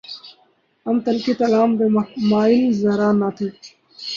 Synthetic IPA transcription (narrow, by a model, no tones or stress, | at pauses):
ɐmt̪ɐlkit̪ɐlaːmd̪emaːilzɐɾaːnːaːt̪ʰi